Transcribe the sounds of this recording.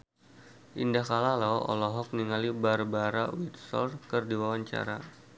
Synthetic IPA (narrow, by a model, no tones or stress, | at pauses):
ʔindahkalalɔɔ̰lɔɦɔk̚niŋalibarbaɾawit̪̚sɔ̰rkərdiwawaɲt͡ʃa̰ɾa